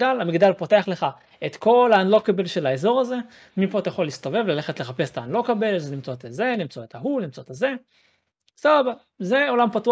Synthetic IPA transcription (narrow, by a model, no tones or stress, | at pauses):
alamiɡd̪alpote̞aχle̞χa | et̪ko̞laanlo̞kabelʃelaezo̞ʁaze̞ | mipo̞at̪ajaχo̞lːist̪o̞ve̞vlale̞χetleχapese̥t̪aanlo̞kabe̞lzenimt͡so̞t̪aze̞nimt͡soet̪aɦunimt͡so̞t̪aze̞ | sababa | ze̞o̞lampatu